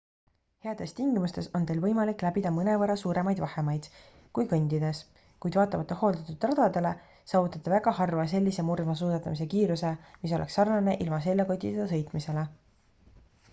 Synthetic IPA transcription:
he̞ɑd̪̥e̞st̪iŋɡimust̪e̞so̞nd̪e̞jlvɤjmɑlikːˑlæbid̪ɑmɤne̞vɑɾɑsuːɾe̞mɑjd̪̥vɑhe̞mɑjd̪̥ | kujkɤnʲd̪id̪e̞s | kujd̪vɑːt̪ːˑɑmɑt̪ːˑeho̞ːld̪̥ɑt̪ːˑud̪rɑd̪̥ɑd̪e̞le̞ | sɑːvut̪ːˑɑt̪ːˑɑvæɡ̥ɑhɑrvɑs̬e̞lʲːise̞murmɑsuːsɑt̪ːˑɑmis̬e̞kiːɾuse̞mis̬o̞lʔeksɑrnɑne̞ʔilmɑse̞lʲːeko̞t̪ʲːit̪ɑs̬ɤ̞jt̪ˑmise̞le

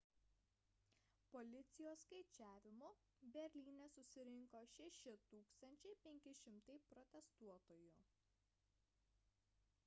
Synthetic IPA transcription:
pɔlʲɪt̪sʲɪjoːskɐɪt͡ʃʲæːʋʲɪmo | bʲɛɾʲlʲiːnʲɛsʊsʲɪɾʲɪŋkoːʃʲɛʃʲɪt̪uːkst̪ɐnʲt͡ʃʲɛɪpʲɛŋʲkʲɪʃʲɪmt̪ɐɪpɾɔt̪ʲɛst̪uɔt̪oːjʊ

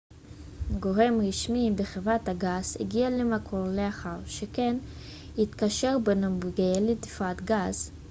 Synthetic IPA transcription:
ɡo̞ʁe̞mʁiʃmibeχevʁathaɡaz̥hḛɡialemakʰo̞ʁleaχaʁʃeken | hit̪kaʃe̞ʁbenobɡeled̪ifat̪ɡaz

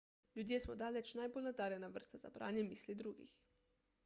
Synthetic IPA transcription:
lʲjud̪jesmɔd̪aːlɛt͡ʃnaːjbolnad̪aːɾjɛnaʋəɾst̪aza̰pɾa̰ːnjɛmiːslid̪ɾuːɡḭx

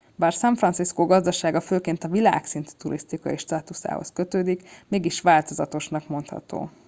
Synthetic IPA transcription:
baːrsɛɱfrɒnsiskoɡɒzd̪ɒʃaːɡɒføːkeːnt̪ɒvila̰ːksint̪y̥t̪uɾʔist̪ikɒ̰iʃt̪aːt̪usa̰ːho̰skø̞t̪øːd̪ikmeːɡiʃʋaːlt̪o̞zɒt̪o̞ʃnɒkmo̞nt̪hɒ̰t̪o̰ː

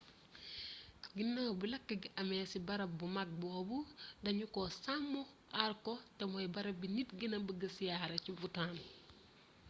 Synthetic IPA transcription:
ɡinːawbulɐkːɐɡɐmɛːsibɐɾɐbumɐk̚bɔːbudɐɲukɔsamːɔ | ʔarkɔtɛmɔjbɐɾɐbinitɡinɐbɐɡɐsijaːɾɐcivutaːn

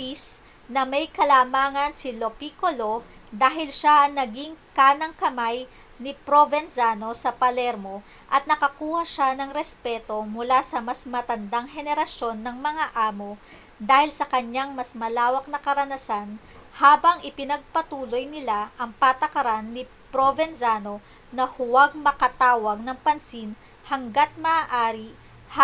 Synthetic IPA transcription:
is | nɐmɐjkɐlaːmaːŋɐnsilopikolo̞d̪aːɦɪlʃaʔɐŋnɐɡiŋkaːnɐŋkɐmaj | nɪpɾovɛnzano̞sɐpɐlɛɾmo̞ | ʔɐt̪nɐkɐkuːhɐʃanɐŋɾɛspɛt̪o̞mʊlasɐmɐsmɐt̪ɐnd̪aŋɦɛnɛɾɐʃjo̞nːɐŋmɐŋaʔaːmo | d̪aːhɪlsɐkɐɲaŋmɐsmɐlaːwɐk̚nɐkɐɾɐnɐsan | haːbɐŋʔɪpɪnɐɡ̚pɐt̪uːlo̞jnɪlaʔɐŋpat̪ɐkɐɾanːɪ | pɾovɛnzano̞ | nɐhʊwaɡ̚mɐkɐt̪aːwɐɡ̚nɐŋpɐnsin | hɐŋɡat̪̚mɐaːʔaːɾi | h

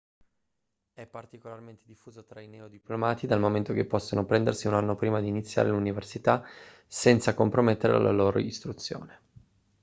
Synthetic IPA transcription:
ɛpːart̪ikolarment̪ed̪ifːuːzot̪ɾaineod̪iplomaːt̪id̪almoment̪ok̟epːɔsːonopɾɛnd̪ersiunanːopɾiːmad̪iːnit̪sːja̰ːɾeluniversit̪a | sɛnt̪sakompɾomet̪ːeɾḛla̰la̰loːɾo̰ist̪ɾut̪sːjo̰ːne

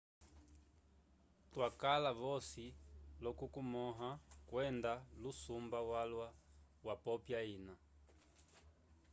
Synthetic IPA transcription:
twakalaβɔsilɔkukumɔɦakwɛndalusumbawalwa | wapɔpjaina

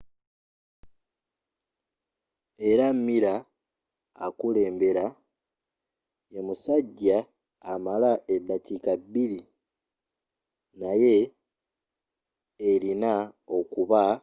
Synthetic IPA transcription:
e̞ɾamːiɾa̰ː | kule̞ːmbe̞ɾa | jemusaɟːaː | malaed̪ːatikabːiɾi | naje̞ | ɾinao̞kuβa

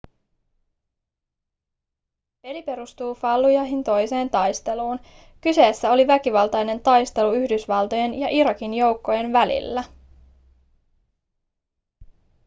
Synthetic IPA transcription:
pe̞lipe̞ɾust̪uːfɑlːujɑjɦint̪o̞jse̞ːnt̪ɑjst̪e̞luːn | kyse̞ːsːæo̞liʋæk̟iʋɑlt̪ɑjne̞nt̪ɑjst̪e̞luyhdysʋɑlˠt̪o̞je̞njɑʔiɾɑkinjo̞wkːo̞je̞nʋælḭlːæ

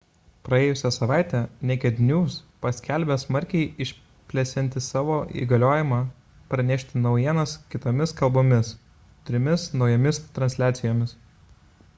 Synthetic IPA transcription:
pɾɐeːjʊsʲɛsɐʋɑˑɪt̪ʲɛnʲɛkʲɛd̪ʲnʲuːspɐsʲkʲælʲbʲɛsmɐɾʲkʲɛɪɪʃʲ | pʲlʲɛsʲɪnʲt̪ʲɪsɑːʋoːʔḭːɡɐlʲoːjɪmɑː | pɾɐnʲɛʃʲt̪ʲɪnɒʊjiɛnɐskʲɪt̪oːmʲɪskɐlˠboːmʲɪs | t̪ʲɾʲɪmʲɪsnɒʊjɛmʲɪst̪ɾɐnʲsʲlʲæːt̪sʲɪjoːmʲɪs

